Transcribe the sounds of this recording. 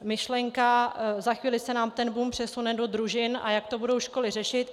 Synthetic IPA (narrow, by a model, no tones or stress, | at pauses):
mɪʃlɛŋkazaxviːlɪsɛnaːmt̪ɛnbumpr̥ɛsunɛdo̞d̪ɾuʒɪna̰jak̚t̪o̞budo̞wʃko̞lɪrɛʃɪt̪